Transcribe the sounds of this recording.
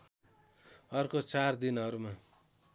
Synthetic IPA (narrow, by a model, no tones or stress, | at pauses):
ʌrkot͡sard̪inʌɾuma